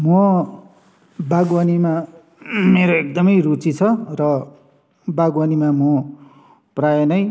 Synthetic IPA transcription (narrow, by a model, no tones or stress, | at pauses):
mʌ | baɡwʌnima | meɾoek̚d̪ʌmʌjrut͡sit͡sʰʌrʌ | baɡwanimamo | prajʌnʌj